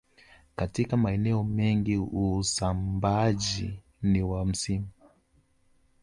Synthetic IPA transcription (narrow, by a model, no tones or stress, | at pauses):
katikamaɛnɛɔmɛŋɡiusambaʄi | niwam̩simu